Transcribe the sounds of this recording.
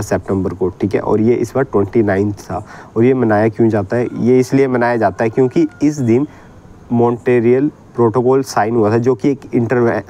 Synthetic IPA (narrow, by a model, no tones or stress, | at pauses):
sɛːp̚ʈɛ̃mbəɾkoʈʰiːkɦɛ̰ʔɔ̰ːɾjeʔɪ̰sbɐʈwɛ̃ɳʈinaːɪ̃nt̪ʰt̪ʰa̰ɔːɾjemɐnaːjakjũd͡ʒaːt̪aɦɛjeɪsliemɐnaːjad͡ʒaːt̪aɦɛkjõːkiɪsd̪ɪn | mɔ̃ːɳʈeːɾijəl | pɾoːʈoːkɔːlsaːɪnɦuat̪ʰad͡ʒoːkieːkɪ̃ɳʈəɾʋɛ